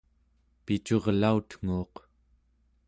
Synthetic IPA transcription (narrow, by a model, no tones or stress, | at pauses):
pit͡ʃoʁlaut̪ŋ̥uːq